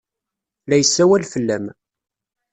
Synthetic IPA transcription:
læjəsːæwælfəlːæm

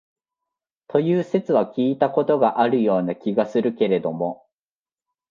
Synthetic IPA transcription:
t̪ʰo̞jɯːse̞t͡sɨβakʲiːt̪ako̞t̪o̞ɡaʔaɾɯ̟jo̞ːnakʲiɡasɨɾɯ̟ke̞ɾe̞d̪o̞mo̞

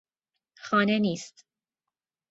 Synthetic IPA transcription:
xɒːneniːst̪

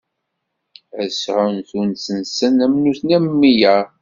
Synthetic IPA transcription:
əsʕʊnθunsənsənæmnuθnæmːijæ

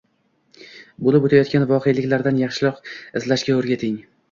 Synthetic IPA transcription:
bolɪpot̪ʰajɒt̪̚kʲanvɒqʰejlɪkʲlaɾd̪anjɑχʃɪlˠɒqɪzlaʃkʲaɵɾɡʲat̪ʰɪŋ

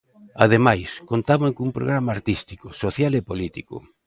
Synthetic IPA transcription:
a̰ðemajskont̪aβaŋkumpɾo̰ɣ̞ɾamɐːɾt̪ist̪ikʊsoθjalepolit̪ikʊ̰

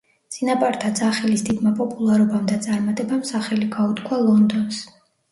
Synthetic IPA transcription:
t̪sʼinapʼaɾt̪ʰad̪zaχɛlisd̪id̪mapʼɔpʼulˠaɾɔbamd̪at̪sʼaɾmat̪ʼɛbamsaχɛliɡaut̪kʰwalˠɔnd̪ɔns

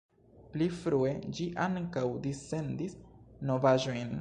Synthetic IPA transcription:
plifɾue̞d͡ʒiʔaŋkawdise̞ndisno̞vaʒo̞jn

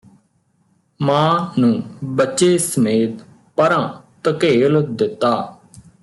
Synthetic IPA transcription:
mãːnũːbətːʃeːsəmeːt̪ | pəɾãːt̪əkeːld̪ɪt̪ːaː

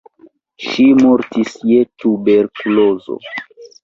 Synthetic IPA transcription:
ʃimoɾtisjetube̞ɾkulozo̰

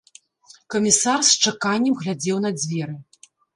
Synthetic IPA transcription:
kɐmʲisarst͡ʂakanʲːɐmɣlʲad͡zʲɛwn̪ɐd͡zʲvʲɛɾɨ

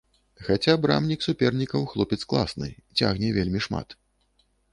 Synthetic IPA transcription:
xat͡sʲabɾa̰mnʲiksupʲɛrnʲikɐwxlˠɔpʲɛt̪sklˠa̰snɨ̰t͡sʲa̰ɣnʲɛvʲelʲmʲiʂma̰t̪

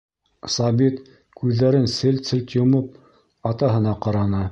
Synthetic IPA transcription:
sɑbit̪ | kʉðːæɾɘnsɘlt̪sɘ̆lt̪jŏmɤp̚ | ɑt̪ɑɦɤ̆nɑqɑɾɑnɤ

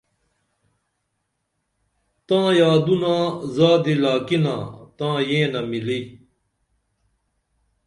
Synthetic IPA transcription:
t̪ãːjaːd̪unãːzaːd̪ilaːkinã̰ːt̪ãːjẽːnamili

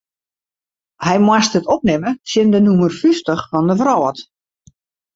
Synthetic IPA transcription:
hɛjmwastətɔp̚nɪməsjɪndənumərfystəχfɔndəvrɔːət

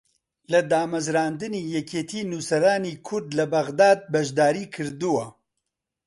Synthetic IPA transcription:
lɐd̪aːmɐzɾaːnd̪ɨniːjɛkʰeːt̪ʰiːnusɐɾaːniːkʰʊɾd̪lɐbɐɣd̪aːd̪̚bɐʒd̪aːɾiːkʰɨɾd̪uwɐ

